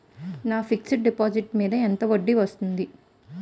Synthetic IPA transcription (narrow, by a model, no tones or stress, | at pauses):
naːfiksʈɖipaːd͡ʒiʈmiːd̪ɐent̪ɐʋɐɖːiʋɐst̪und̪i